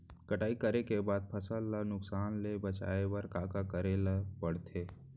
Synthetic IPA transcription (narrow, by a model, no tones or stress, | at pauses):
kəʈaːikəɾekebaːd̪̚pʰɐsəllənʊksaːnlebət͡ʃa̰ːewɐɾkaːkakəɾelɐpɐɽt̪ʰeː